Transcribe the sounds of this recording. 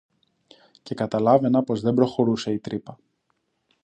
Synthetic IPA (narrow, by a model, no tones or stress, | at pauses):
ce̞kɐt̪ɐlɐve̞nɐpo̞zðe̞mbɾo̞xo̞ɾuse̞it̪ɾipɐ